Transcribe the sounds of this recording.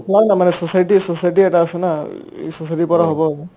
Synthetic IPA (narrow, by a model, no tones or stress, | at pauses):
plabnamanɛsosajʈisosajʈiɛʈaːsɔnaḛsosajʈipɔɾaɦɔbɔbɔ